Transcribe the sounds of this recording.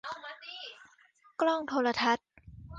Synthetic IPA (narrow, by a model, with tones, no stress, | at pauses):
klɔ˥˩ŋt̪ʰoː˧la˧t̪ʰa˦˥t̪̚